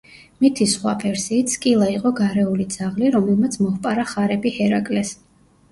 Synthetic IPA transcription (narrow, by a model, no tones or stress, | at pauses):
mit̪ʰisχwapʰɛɾsiːt̪sʰkʼilˠaiqʼɔɡaɾɛulid̪z̥aʁliɾɔmɛlˠmat̪sʰmɔχpʼaɾaχaɾɛbihɛɾakʼlɛs